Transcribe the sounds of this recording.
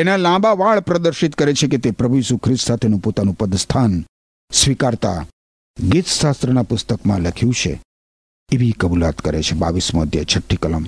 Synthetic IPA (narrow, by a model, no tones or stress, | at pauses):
enalãbaʋaɭpɾəd̪əɾʃit̪kəɾet͡ʃʰeket̪epɾəbʱujiːsukʰɾɪst̪sat̪ʰenũpot̪anũpəd̪st̪ʰan | sʋikaɾt̪a̰ | ɡit̪ʃast̪ɾənapʊst̪əkmãləkʰjũt͡ʃʰḛ | eʋikəbula̰t̪kəɾḛt͡ʃʰeba̰ʋismo̰d̪ʱjə̰t͡ʃʰəʈʰːikələm